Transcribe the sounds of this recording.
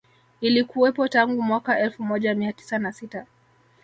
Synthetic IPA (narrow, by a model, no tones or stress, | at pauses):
ilikuwɛpɔtaŋɡumwakaʔɛlfumɔʄamiati̥sanasita